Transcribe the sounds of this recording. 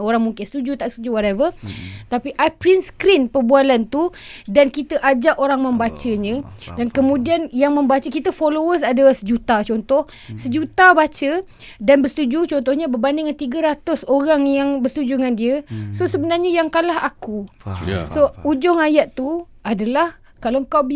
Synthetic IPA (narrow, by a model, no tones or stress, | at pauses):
oɾaŋmuŋkɪnst̪ud͡ʒut̪aʔsə̥t̪ud͡ʒuwɔɾɛvət̪apiʔapɾinskɾinpərbualant̪udankit̪əʔad͡ʒaʔoɾaŋmə̃mbat͡ʃəɲə̃dankəmũdianjaŋmə̃mbat͡ʃəkit̪əfolowəs̬adalahsəd͡ʒut̪at͡ʃɔnt̪ɔh | səd͡ʒut̪abat͡ʃə | danbəst̪ud͡ʒut͡ʃɔnt̪ɔhɲabərbandiŋant̪iɡəɾat̪ʊsoɾaŋjaŋbəst̪ud͡ʒuŋandiəsosəbənarɲajaŋkanlaɦaku | soud͡ʒʊŋajat̪t̪ːu | adalah | kalawŋkawb